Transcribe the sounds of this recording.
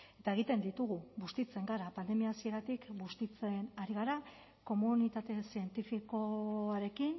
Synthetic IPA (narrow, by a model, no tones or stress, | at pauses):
e̞t̪aeɣ̞it̪e̞nd̪it̪uɣuɡust̪it͡se̞ŋɡaɾapand̪e̞miaːsie̞ɾat̪ikɡust̪it͡se̞naɾiɣ̞aɾa | ko̞munit̪at̪e̞sie̞nt̪ifiko̞aɾe̞kin